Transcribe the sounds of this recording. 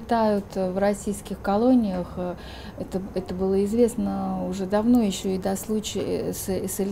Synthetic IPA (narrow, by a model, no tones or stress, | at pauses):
ɪt̪ajʊt̪vrɐsʲijskʲɪxkɐlˠo̞nʲɪjəx | ɛt̪əɛt̪əbɨlˠəɪzvʲe̞snəʊʐɛd̪ɐvno̞jɪɕːo̞ɪd̪ɐslˠut͡ɕɪ̰ssəlʲ